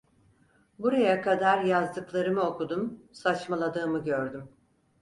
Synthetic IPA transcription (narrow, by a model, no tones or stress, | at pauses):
buɾajakʰad̪aɾjazd̪ɯklˠaɾɯmɯo̞kud̪umsat͡ʃmalˠad̪ɯːmɯɟøɾd̪ym